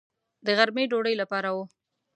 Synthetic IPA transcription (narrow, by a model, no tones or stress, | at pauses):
d̪əɣaɾmeɖoɽəjlapɑɾawo